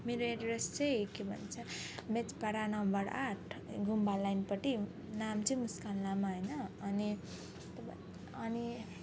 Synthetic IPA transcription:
meɾoeʈɾest͡sʌjkebʱʌ̰nt͡sʰʌmet͡spaɾanʌmbʌɾaʈʰɡʱumbalajnpʌʈi | namt͡sʌjmuskanlamaɦʌjnʌːni | t̪b | ʌni

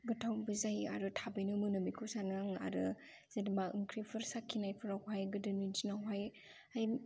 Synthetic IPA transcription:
ɡɯtʰawbɯzaja̰ɾɯtʰabejnɯmɯnɯmikʰɯsanaŋa̰ɾɯ | z̥edmaɯŋkʰɾipʰɯɾsakʰːinajpʰɯɾawhajɡɯdɯnund͡ʒinaɦaj | aj

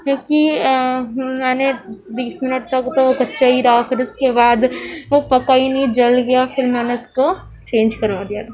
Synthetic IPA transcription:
kõːki | mɛːned̪iːsmɪnəʈ̚t̪ɐkt̪oobɐtːʃaiɾakɾɪskebaːd̪ʋopɐkaːinɐĩd͡ʒɐlɡɐjafʰɪɾmɛːneʊsko | t͡ʃẽːnd͡ʒkɐɾʋaːd̪ijaːt̪ː

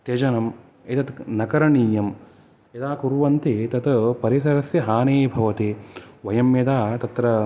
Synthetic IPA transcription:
t̪jɐd͡ʒɐnɐm | et̪ɐt̪nɐkɐɾɐɳiːjɐm | ed̪aːkuɾʋɐnt̪it̪ɐt̪ɐpɐɾisɐɾɐsjɐɦaːneːbʱɐʋɐt̪eːʋɐjɐmjɐd̪aːt̪ɐt̪ɾɐ

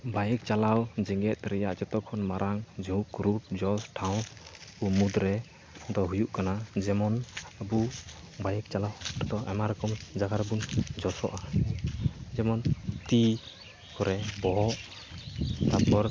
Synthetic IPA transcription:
bajɛk̚t͡ʃalawd͡ʒɛŋɡɛt̪̚ˀɾɛjaʔd͡ʒɔt̪ɔkʰɔnmaɾʔaŋd͡ʒukɾup̚d͡ʒɔsʈʰaw̃umud̪ɾɛ | d̪ɔɦujuʔkanad͡ʒɛmɔnabubajɛk̚t͡ʃalawɾɔt̪ɔamaɾɔkɔmd͡ʒaɡaɾbund͡ʒɔsɔ̰ʔa | d͡ʒɛmɔnt̪i | kɔɾɛbɔɦɔʔ | t̪apɔɾ

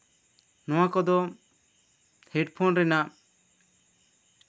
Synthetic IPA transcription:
nɔ̃wakɔd̪ɔ | hɛɖpʰɔnɾɛnaʔ

